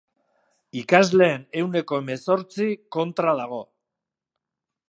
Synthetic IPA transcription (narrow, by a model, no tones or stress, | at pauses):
ikazle̞ːne̞wne̞ko̞eme̞so̞ɾt͡siko̞nt̪ɾaðaɣ̞o̞